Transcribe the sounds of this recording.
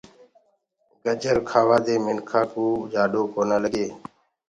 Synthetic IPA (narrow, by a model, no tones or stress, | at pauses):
ɡəd͡ʒəɾkʰaːʋaːd̪eːmɪnkʰaːkuːd͡ʒaːɖoːkʰoːnaːləɡeː